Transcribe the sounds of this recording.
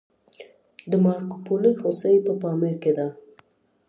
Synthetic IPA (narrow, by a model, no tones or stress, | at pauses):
d̪əmɑɾko̥poləhosəjpəpɑmɪɾked̪a